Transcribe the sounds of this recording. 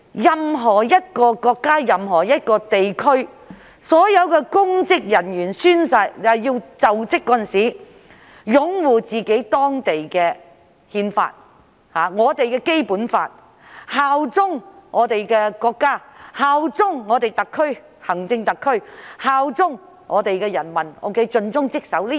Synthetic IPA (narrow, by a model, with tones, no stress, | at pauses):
jɐ˨mɦɔː˨˩jɐ˥t̚kɔː˧kɔː˧kːaː˥jɐ˨mɦɔː˨˩jɐ˥t̚kɔː˧t̪e˨jkʰɵ˥ɥ | sɔː˨˥jɐ˨˧wkɛː˧kʊ˥ŋt͡sɪ˥k̚jɐ˨˩njyː˨˩nsyː˥nsɐ˧tjɐ˨wjiː˧wt͡sɐ˨wt͡sɪ˥kːɔː˧˥ɐ˨nsiː˨˥ | jʊ˨˥ŋwuː˨t͡siː˨ke˨˥jt̪ɔː˥ŋt̪e˨jkɛː˧ | hiː˧nfa̰ː˧t̚ | haː˨ŋɔː˨˧t̪e˨jkɛː˧ke˥jpuː˨˥nfa̰ː˧t̚ | haː˨wt͡sʊ˥ŋŋɔː˨˧t̪e˨jkɛː˧kɔː˧kːaː˥haː˨wt͡sʊ˥ŋŋɔː˨˧t̪e˨jt̪ɐ˨kʰːɵ˥ɥ | hɐ˨˩ŋt͡sɪ˧ŋt̪ɐ˨kʰːɵ˥ɥhaː˨wt͡sʊ˥ŋ | ŋʔɔː˨˧t̪e˨jkɛː˧jɐ˨˩nmɐ˨˩nʔo̰˨˧wkʰe˨˧˥jt͡ʃɵ˧nt͡sʊ˥ŋt͡sɪ˥k̚sɐ˨˥wliː˥